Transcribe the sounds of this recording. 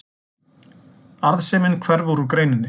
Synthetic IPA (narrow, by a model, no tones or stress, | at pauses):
aɾðsɛːmɪnkʰvɛɾvuɾukɾeːjnɪnːɪ